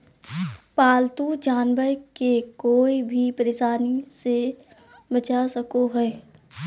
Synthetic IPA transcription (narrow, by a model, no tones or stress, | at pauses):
paːlt̪ud͡ʒaːnbəɾkekoːibʱipəɾesaːnise | bət͡ʃasəkoɦɛː